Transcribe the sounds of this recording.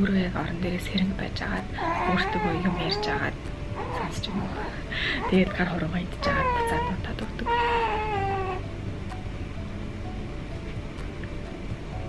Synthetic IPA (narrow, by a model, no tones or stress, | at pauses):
urɣeːkɔɾɞ̆nt̪ʰeːɣeːsxeɾɘ̆ŋkpæ̰ːt͡ɕa̰ːʁaːt̪uːr̥t̪ɘ̆ɣujʊmeːrʲt͡ɕaːʁa̰ːt̪ | sansə̥t͡ɕemu | t̪ʰeɣeːt̪̚ɢarχʊɾʊʁant̪t͡ɕaʁaːt̪pḁt͡saːt̪nʊt̪ʰːat̪ə̆kt̪ə̆k